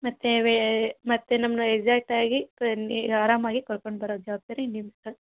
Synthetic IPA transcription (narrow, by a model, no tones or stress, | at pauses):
mɐt̪ːeʋemɐt̪ːenɐmnueɡd͡ʒaːk̚ʈaːɡinaːɾaːmaːɡikoɾkoɳɖbɐɾoːd̪d͡ʒɐʋaːb̚t̪ɐɾeiɳɖimisɐ